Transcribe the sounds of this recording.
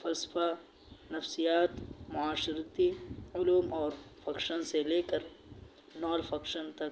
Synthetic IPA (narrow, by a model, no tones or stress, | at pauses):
fɐlsə̥fa | nɐfsijaːt̪mʊaːʃɪɾt̪iʊluːmɔːɾfɐkʃənseleːkɐɾ | nɔːlfɐkʃənt̪ɐk